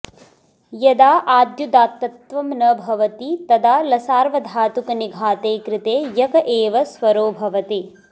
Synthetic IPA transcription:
jɐd̪aːʔaːd̪jud̪aːt̪ːɐt̪ʋɐmnɐbʱɐʋɐt̪it̪ɐd̪aːlɐsaːɾʋɐd̪ʱaːt̪ukɐniɡʱaːt̪eːkɾɪt̪eːjɐkɐʔeːʋɐsʋɐɾoːbʱɐʋɐt̪i

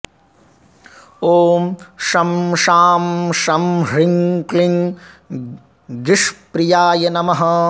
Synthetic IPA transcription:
oːmʃɐmʃaːmʃɐmɦɾiŋkliŋ | ɡɾiʂpɾijaːjɐnɐmɐɦɐ

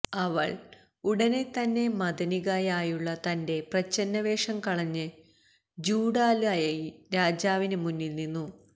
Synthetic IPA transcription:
ɐʋɐ̰ɭ | uɽɐne̞t̪ɐnːe̞mɐd̪ɐniɣajaːjuɭːɐt̪ɐnde̞prɐt͡ɕːɐnːɐʋeːʂɐmkɐɭɐɲːɨ | d͡ʑuːɽaːlaːjɐiɾaːd͡ʑaːʋinɨmunːilninːu

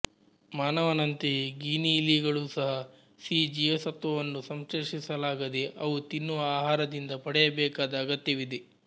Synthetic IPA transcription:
maːnɐʋɐnɐnt̪eɡiːniːliɡɐɭuːsɐɦɐ | siːd͡ʒiesɐt̪ʋɐʋɐnːusɐmseʂisɐlaːɡɐd̪eʔɐʋut̪inːuʋɐaːɦaːɾɐd̪ind̪ɐpɐɽɛjɐbɛːkaːd̪ɐːɡɐt̪jɐʋid̪e

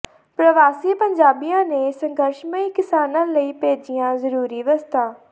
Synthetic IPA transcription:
pɾəʋaːsiːpəɲd͡ʒaːbijãːneːsə̃ŋɡəɾʃməiːkɪsaːnãːləiːpeːd͡ʒɪjãːzəɾuːɾiːʋəst̪aː

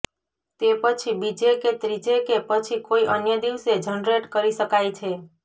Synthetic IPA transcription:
t̪epət͡ʃʰibid͡ʒeket̪ɾid͡ʒekepət͡ʃʰikoiʔənjəd̪iʋsed͡ʒənɾeʈkəɾiʃəkajt͡ʃʰe

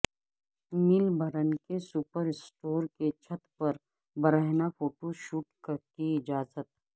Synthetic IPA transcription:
mɪlbʱɐɾənkesupəɾɪsʈoːɾket͡ʃʰɐt̪pɐɾ | bɐɾəɦnafʰoːʈoʃuːʈkkiɪd͡ʒaːzət̪̚

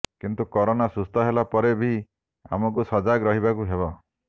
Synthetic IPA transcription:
kint̪ukɔɾonasust̪ʰɔɦelapɔɾebʱi | a̰mɔk̬usɔd͡ʒaɡɾɔɦibakuɦebɔ

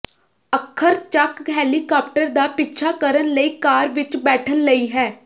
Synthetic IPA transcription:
əkʰːəɾt͡ʃəkɦɛːliːkaːp̚ʈəɾd̪aːpɪtːt͡ʃʰaːkəɾənləiːkaːɾʋɪt͡ʃbɛːʈʰənləiːɦɛː

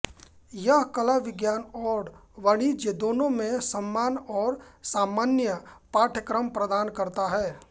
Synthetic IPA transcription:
jɐɦkɐlaʋɪɡjaːnɔːɾɖʋəɽ̃id͡ʒed̪oːnõmẽsəmːaːnɔːɾsaːmaːnjəpaːʈʰəkɾəmpɾəd̪aːnkɐɾt̪aɦɛː

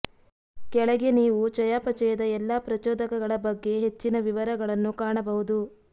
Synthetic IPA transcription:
kɛɭɐɡe̞niːʋut͡ʃɐjaːpɐt͡ʃɐjɐd̪ɐɛlːaːpɾɐt͡ʃɔːd̪ɐkɐɡɐɭɐbɐɡːe̞ɦe̞t͡ʃːinɐʋiʋɐɾɐɡɐɭɐnːukaːɳɐbɐɦud̪u

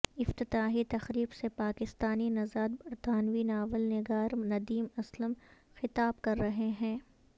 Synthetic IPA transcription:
ɪft̪ɪt̪aːɦit̪ɐxɾiːbsepaːkɪst̪aːninɐzaːd̪bɐɾt̪aːnʋinaːʋəlnɪɡaːɾnɐd̪iːmɐsləm | xɪt̪aːbkɐɾːɐɦeɦɛ̃ː

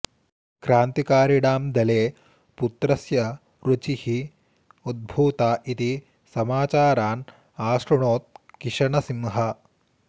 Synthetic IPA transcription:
kɾaːnt̪ikaːɾiɽaːmd̪ɐleː | put̪ɾɐsjɐ | ɾut͡ʃihi | ud̪̚bʱuːt̪aːʔit̪i | sɐmaːt͡ʃaːɾaːn | aːʃɾuɳoːt̪̚kiʂɐɳɐsimɦɐ

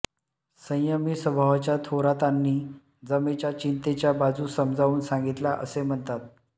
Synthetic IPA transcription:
sə̃j̃jəmiːsəbʱaʋat͡ɕjat̪ʰoɾat̪anːiː | d͡zəmet͡ɕjat͡ɕint̪et͡ɕjabad͡zuːsəmd͡zʱauːnsãŋɡit̪laʔə̰sem̤əɳt̪at̪̚

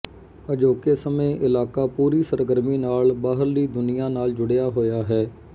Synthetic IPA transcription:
əd͡ʒoːkesəmẽːʔɪlaːkaːpuːɾiːsəɾɡəɾmiːnaːlbaːɦəɾliːd̪ʊnɪjãːnaːld͡ʒʊɽɪjaːɦoːjaːɦɛː

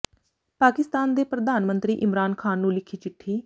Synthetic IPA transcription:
paːkɪst̪aːnd̪eːpɾəd̪aːnmənt̪ɾiːʔɪmɾaːnkʰaːnːũːlɪkʰiːt͡ʃɪʈʰːiː

